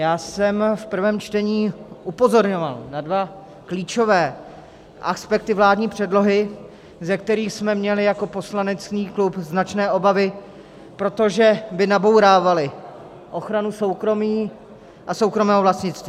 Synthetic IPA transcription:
jaːsɛmfpr̩vɛːmt͡ʃt̪ɛɲiːʔupo̞zo̞ɾɲo̞valnadva | kliːt͡ʃo̞vɛː | ʔaspɛk̚t̪ɪvlaːdɲiːpr̝̥ɛdlo̞ɦɪ | zɛkt̪ɛɾiːxsmɛmɲɛlɪjako̞po̞slanɛt͡sniːklupznat͡ʃnɛːʔo̞bavɪ | pɾo̞t̪o̞ʒɛbɪnabo̞wɾaːvalɪ | ʔo̞xɾanuso̞wkɾo̞miː | ʔaso̞wkɾo̞mɛːɦovlast̪ɲɪt͡st̪viː

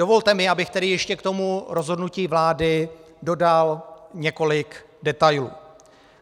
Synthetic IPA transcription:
o̞vo̞lt̪ɛmɪabɪxt̪ɛdɪjɛʃcɛkt̪o̞muɾo̞zɦo̞dnuciːvlaːdɪ | do̞dalɲɛko̞lɪk | dɛt̪ajlṵː

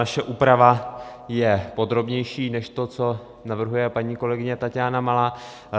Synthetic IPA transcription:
aʃɛʔuːpɾavajɛpo̞d̪ɾo̞bɲɛjʃiːnɛʃt̪o̞t͡so̞ | navr̩ɦujɛpaɲiːko̞lɛɡɪɲɛt̪acjaːnamala

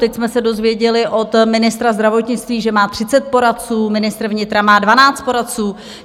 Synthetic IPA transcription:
t̪ɛcsmɛsɛdo̞zvjɛɟɛlɪʔo̞t̪mɪnɪst̪ɾazd̪ɾavo̞t̪ɲɪt͡st̪viːʒɛmaːt̪r̝̥ɪt͡sɛt̪̚po̞ɾat̪t͡suːmɪnɪst̪ɾvɲɪt̪ɾamaːdvanaːt͡st̪̚po̞ɾat̪t͡suː

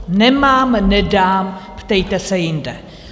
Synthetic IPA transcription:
nɛmaːmnɛdaːmpt̪ɛjt̪ɛsɛjɪndɛ

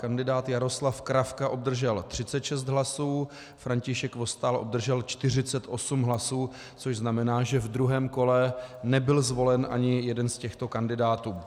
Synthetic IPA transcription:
kandɪdaːt̪jaɾo̞slafkɾafkaʔo̞bd̪r̩ʒɛlt̪r̝̥ɪt͡sɛt̪ʃɛst̪ɦlasuː | fɾaɲcɪʃɛkvo̞st̪aːlʔob̚d̪r̩ʒɛlt͡ʃt̪ɪr̝ɪt͡sɛt̪ʔo̞sumɦlasuː | t͡soʒznamɛnaːʒɛvd̪ɾuɦɛːmko̞lɛnɛbɪlzvo̞lɛnʔa̰ɲɪjɛdɛnscɛxt̪o̞kandɪdaːt̪uː

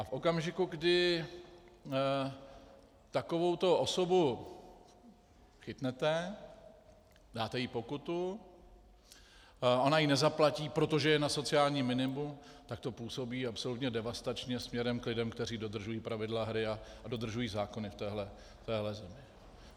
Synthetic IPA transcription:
ʔafʔo̞kamʒɪkuɡdɪ | t̪ako̞vo̞wt̪o̞ʔo̞so̞bu | xɪt̪nɛt̪ɛ | daːt̪ɛjipo̞kut̪u | o̞najinɛzaplaciːpɾo̞t̪o̞ʒɛjɛnaso̞t͡sɪaːlɲiːmːɪnɪmumt̪ak̚t̪o̞puːso̞biːapso̞lut̪ɲɛdɛvast̪at͡ʃɲɛsmɲɛɾɛmklɪdɛmkt̪ɛɾiːdo̞d̪r̩ʒujiːpɾavɪdlaɦɾɪa | do̞d̪r̩ʒujiːzaːko̞nɪft̪ɛːɦlɛ | t̪ɛːɦlɛzɛmɪ

